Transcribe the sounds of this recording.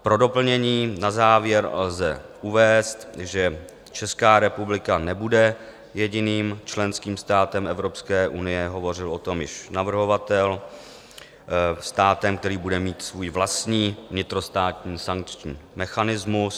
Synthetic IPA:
pɾo̞do̞pl̩ɲɛɲiːnazaːvjɛɾlzɛ̰ʔuvɛːst̪ʒɛ | t͡ʃɛskaːɾɛpublɪkanɛbudɛ | jɛɟɪniːmt͡ʃlɛnskiːmst̪aːt̪ɛmʔɛvɾo̞pskɛːʔunɪjɛɦo̞vo̞rɪlo̞t̪o̞mjɪʃnavr̩ɦo̞vat̪ɛl | st̪aːt̪ɛmkt̪ɛɾiːbudɛmiːt̪svuːjvlast̪ɲiːvɲɪt̪ɾo̞st̪aːt̪ɲiːsaŋk̚t͡ʃɲiːmɛxanɪzmus

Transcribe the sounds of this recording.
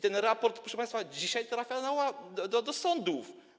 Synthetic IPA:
t̪ɛ̃nɾapɔɾt̪pɾɔʃɛpãj̃st̪fad͡ʑiɕajt̪ɾafʲjanawad̪ɔd̪ɔd̪ɔsɔ̃nd̪uf

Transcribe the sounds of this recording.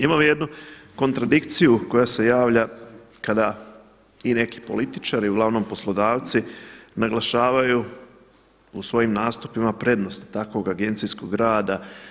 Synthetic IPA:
imamije̞d̪nuko̞nt̪ɾad̪ikt̪sijuko̞jase̞jaːʋʎa | kad̪a | ine̞ki̥po̞̰lit̪i̥t͡ʃaɾiuɡlˠaʋno̞mpo̞slˠo̞d̪aːʋt̪sinaɡlˠaʃaːʋaju | usʋo̞jimnaːst̪upimapɾe̞d̪no̞st̪t̪akʋo̞ɡaɡe̞nt̪sisko̞ɡɡɾaːd̪a

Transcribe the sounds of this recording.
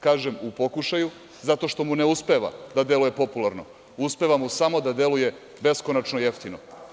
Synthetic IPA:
kaːʒemupo̞kuʃaju | zat̪o̞ʃt̪o̞mune̞uspe̞ʋa̰d̪ad̪e̞luje̞po̞pulˠaɾno̞̰ | uspe̞ʋamusamo̞d̪ad̪je̞luje̞ | be̞skonat͡ʃnojeft̪ino̰

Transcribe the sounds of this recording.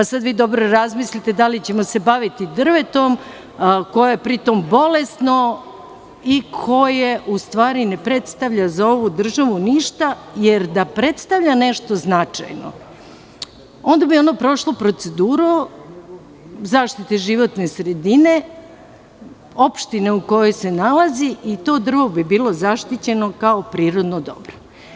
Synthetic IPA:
pasad̪ʋiːd̪o̞bɾo̞ɾazmislit̪e̞d̪alit͡ɕe̞mo̞se̞baʋit̪id̪r̩ʋe̞t̪o̞m | ko̞joepɾit̪o̞mbo̞le̞st̪no | ikʰo̞jeʔust̪ʋaːɾine̞pɾe̞t̪st̪aʋʎazao̞ʋud̪r̩ʒaʋuniʃt̪aje̞ɾd̪apɾe̞t̪st̪aʋʎane̞ʃt̪o̞znat͡ʃa̰jno̰ | o̞nd̪abio̞nopɾo̞ʃlˠopɾo̞t̪se̞d̪uːɾu | zaːʃt̪it̪eʒiʋo̞t̪ne̞sɾed̪ine̞ | o̞pʃt̪ine̞uko̞jo̞jse̞nalaziʔit̪o̞ːd̪r̩ʋobibiːlˠo̞zaʃt̪it͡ɕe̞no̞kaopɾiːɾo̞d̪nod̪o̞̰bɾo

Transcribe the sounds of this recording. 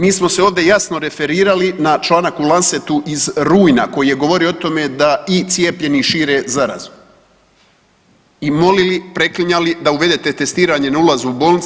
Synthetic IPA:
miːsmo̞seo̞ːʋd̪e̞jasno̞ɾe̞fe̞ɾiːɾalinat͡ʃlˠaːnakulˠanset̪uʔizɾuːjnako̞jije̞ɡo̞ʋo̞ɾioot̪o̞me̞d̪ait̪sije̞pʎe̞niʃiːɾe̞ːzaɾa̰zu | imo̞lilipɾe̞kliɲalid̪auʋe̞d̪et̪e̞t̪e̞st̪iːɾaɲenaulˠazuubo̞ːlnit̪

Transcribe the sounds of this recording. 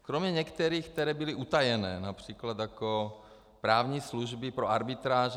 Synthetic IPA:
kɾomɲɛɲɛkt̪ɛɾiːxkt̪ɛɾɛːbɪliʔut̪ajɛnɛːnapr̝̥iːklad̪jako | pɾaːvɲiːsluʒbipɾoaɾbɪt̪ɾaːʒ

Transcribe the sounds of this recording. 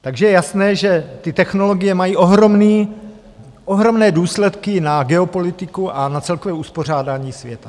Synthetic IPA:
t̪aɡʒɛjɛjasnɛːʒɛt̪ɪt̪ɛxno̞lo̞ɡɪjɛmajiːʔo̞ɦɾo̞mniː | ʔo̞ɦɾo̞mnɛːduːslɛt̪kɪnaɡɛo̞po̞lɪt̪ɪkuʔanat͡sɛlkovɛːuspo̞r̝aːdaːɲiːsvjɛt̪a

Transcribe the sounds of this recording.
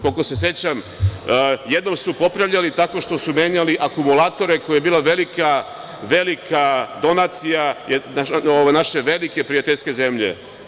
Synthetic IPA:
kolkose̞s̬je̞t͡ɕam | je̞d̪no̞msupo̞pɾaʋʎalit̪ako̞ʃt̪o̞sume̞ːɲaliʔakumulaːt̪o̞ɾe̞kojajebiːlˠaʋe̞lika | ʋe̞likad̪o̞nat̪sijaenaoʋajnaʃe̞ʋe̞like̞pɾijat̪eʎske̞ze̞mʎḛ

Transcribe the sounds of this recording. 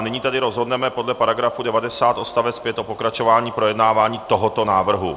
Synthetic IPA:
nɪɲiːt̪adɪɾo̞zɦo̞dnɛmɛpo̞dlɛpaɾaɡɾafudɛvadɛsaːt̪o̞st̪avɛt̪skvjɛt̪ʔopo̞kɾat͡ʃo̞vaːɲiːpɾo̞jɛdnaːvaːɲiːtt̪oɦot̪o̞naːvr̩ɦṵ

